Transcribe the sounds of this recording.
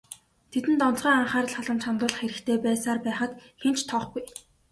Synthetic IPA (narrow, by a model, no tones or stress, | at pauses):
t̪ʰet̪ɘ̆nt̪ɔn̆ɮʁ̥iːaɴχaːrə̆ɮχɔɮə̆mt͡ɕχant̪ʊːɮə̆χxeɾɘ̆xt̪ʰeːpæːsaːrpæːχə̆t̪xen̥t͡ɕt̪ʰɔχɡuj